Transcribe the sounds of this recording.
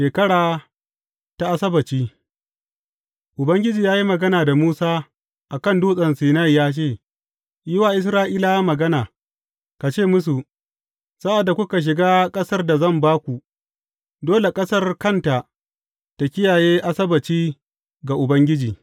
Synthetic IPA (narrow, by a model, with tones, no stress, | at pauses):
ʃeː˨kɐ˦ɽaː˨ | ta˦ʔa˦sɐ˦bɐ˨t͡ʃiː˦ | ʔʊ˨bɐ˦ŋɡʲɪ˦d͡ʒiː˨jaː˦ji˦mɐ˨ɡɐ˦naː˨da˨muː˦saː˦ | ʔa˨kɐ˦˨nduː˦sʼɐ˨nsiː˨na˦jjaː˦t͡ʃeː˦˨ | jɪ˦waː˨ʔɪ˦s̬ɾaː˦ʔiː˦la˨ja˦mɐ˨ɡɐ˦naː˨ | ka˨t͡ʃeː˦˨mʊ˦s̬u˨ | sa˦ʔa˨dːa˨kʷʊ˦ka˨ʃ̬ɪ˨ɡaː˦kʼɐ˦sɐ˦rda˨zɐ˦˨mbaː˦kʷu˨ | doː˦le˨kʼɐ˦sɐ˦rkɐ˦˨nta˨ | ta˨kʲɪ˦jaː˨jeː˦ʔa˦sɐ˦bɐ˨t͡ʃiː˦ | ɡa˨ʔʊ˨bɐ˦ŋɡʲɪ˦d͡ʒiː˨